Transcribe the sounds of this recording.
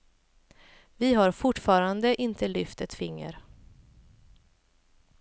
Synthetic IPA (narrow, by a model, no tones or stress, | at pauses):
vɪɦaɾfʊʈːfɑːɾand̪əʔɪnt̪ʰəlʏft̪ɛt̪fɪŋːə̰ɾ